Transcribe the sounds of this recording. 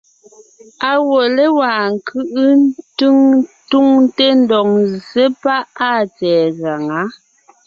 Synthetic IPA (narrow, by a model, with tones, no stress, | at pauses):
a˨wo˨le˦wa˨ŋ̩˨kʰɯ˦ʔɯ˦ntɯ˦ŋtu˦ŋ˦te˦n˦dɔ˨ŋze˦pa˦ʔa˦˨t͡sɛː˨ɣa˨ŋa˨˦